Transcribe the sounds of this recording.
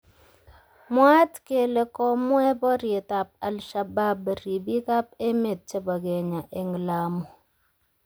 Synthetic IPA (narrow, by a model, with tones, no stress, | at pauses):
mwa˦tke˨le˨kɔ˦mwɛ˦bɔ˦ɾi˨ta˨p̚a˨lʃa˨ba˦bə˨ɾi˨bi˦ka˦p̚e˦me˨t̚t͡ʃe˦bɔ˨ɡe˨ɲa˨ʔe˨ŋ˨la˦mu˨